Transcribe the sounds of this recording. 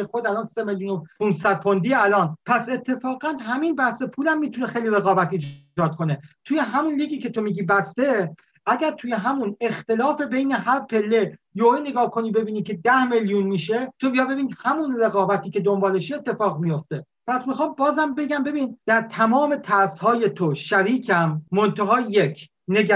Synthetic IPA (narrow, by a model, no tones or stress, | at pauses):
exod̪ælɒːnse̞meljuːnopʰunsæd̪̚pʰond̪iːælɒːnpʰæse̞t̪ʰːe̞fɒːɣænɦæmiːnbæhse̞pʰuːlæmːiːt̪ʰune̞xejliɾe̞ɣɒːbæt̪ʰid͡ʒ | ɒːd̪̚kʰo̞ne̞t̪ʰuje̞ɦæmunliːɡiːcʰe̞t̪o̞miːɟiːbæst̪e̞ | ʔæɟæɾt̪ʰuje̞ɦæmune̞xt̪e̞lɒːfe̞be̞jne̞ɦæɾpʰe̞lːe̞ | joene̞ɡɒːhkʰo̞niːbe̞biːniːkcʰe̞d̪æhmeljunmiːʃe̞t̪ʰobijɒjbe̞biːnid̪hæmunɾe̞ɣɒːbæt̪ʰiːce̞d̪o̞mbɒːleʃiet̪ːe̞fɒːɣmijo̞ft̪e̞ | pʰæsmixɑːmbɒːzæmbe̞ɡæmbe̞biːnd̪̥æɾt̪ʰæmɒːme̞t̪ʰæɾshɒːje̞t̪ʰoʃæɾiːcʰæmːont̪ʰæɦɒːjekʰ | ne̞ɡ